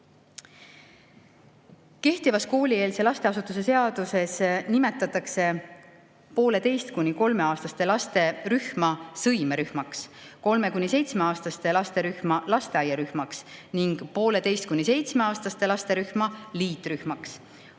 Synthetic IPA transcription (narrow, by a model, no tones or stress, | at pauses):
ke̞ht̪ivɑsko̞ːlʲie̞ːlse̞lɑst̪e̞ɑsut̪ˑuse̞se̞ɑd̪̥use̞snime̞t̪ːˑɑt̪ːˑɑkse̞ | po̞ːle̞t̪e̞jst̪kunʲiko̞lme̞ɑːst̪ɑst̪elɑst̪e̞ryhmɑsɤjmeɾyhmɑksko̞lme̞kunʲːise̞jt̪sme̞ɑːst̪ɑst̪e̞lɑst̪e̞ɾyhmɑlɑst̪e̞ɑjɑɾyhmɑksniŋɡ̥po̞ːle̞t̪e̞jst̪kunːise̞jt̪sme̞ɑːst̪ɑst̪e̞lɑst̪e̞ɾyhmɑliːt̪ːˑɾyhmɑks